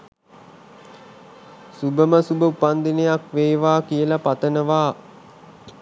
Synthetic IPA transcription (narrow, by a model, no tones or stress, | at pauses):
subəməsubəupand̪inejakʋeːʋaːkijəlapat̪ənəʋaː